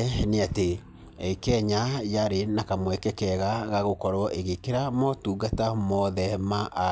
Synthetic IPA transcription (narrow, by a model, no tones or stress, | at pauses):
neate | ɛkɛɲajaɾenakamwɛkɛkɛɣaɣaɣokɔɾwɔʔeɣekeɾamɔtuːɡatamɔðɛmaʔa